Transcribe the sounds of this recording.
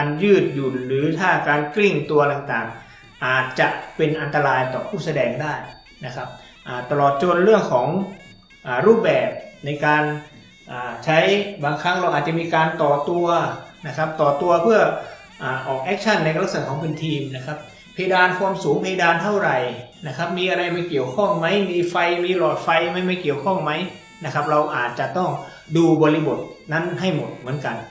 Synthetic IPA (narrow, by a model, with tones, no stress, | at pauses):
aː˧njɯː˥˩t̪̚ju˨˩t̪̚ɾɯː˩˦t̪ʰaː˥˩kaː˧nkli˥˩ŋt̪u˧ɐt̪a˨˩ŋt̪aː˨˩ŋ | ʔaː˨˩t̪̚t͡ɕa˨˩ʔpe˧nʔa˧nt̪a˧ɾaː˧jt̪ɔː˨˩pʰuː˥˩sa˧dɛː˧ŋdaː˥˩j | na˦˥kʰa˦˥p̚ | ʔaː˨˩t̪a˧lɔː˨˩t̪̚t͡ɕo˧nɾɯ˥˩əŋkʰɔː˩˦ŋ | ʔaː˨˩ɾuː˥˩p̚bɛː˨˩p̚na˧jkaː˧n | ʔaː˨˩t͡ɕʰa˦˥jbaː˧ŋkʰa˦˥ŋla˧wʔaː˨˩t̪t͡ɕa˨˩miː˧kaː˧nt̪ɔː˨˩t̪u˧ɐna˦˥kʰa˦˥p̚t̪ɔː˨˩t̪u˧ɐpʰɯ˥˩ɐ | ʔaː˨˩ʔɔː˨˩k̚ʔɛː˦˥k̚t͡ɕʰa˥˩nːa˧jkɾa˦˥k̚sa˨˩˦kʰɔː˩˦ŋpe˧nt̪ʰiː˧mna˦˥kʰa˦˥p̚ | pʰeː˧daː˧nkʰwaː˧msuː˩˦ŋpʰeː˧jdaː˧nt̪ʰa˥˩wɾa˨˩jna˦˥kʰa˦˥p̚miː˧ʔa˧ɾa˧jma˧˥˩jki˨˩əwkʰɔ˥˩ŋma˦˥jmiː˧fa˧jmiː˧lɔː˨˩t̪̚fa˧jma˥˩jma˥˩jki˨˩əwkʰɔ˥˩ŋma˦˥j | na˦˥kʰa˦˥p̚ɾa˧wʔaː˨˩t̪̚t͡ɕa˨˩t̪ɔ˥˩ŋ | duː˧bɔː˧li˧bo˨˩t̪̚na˦˥˨nɦa˥˩jmo˨˩t̪̚mɯ˩˦ənka˧n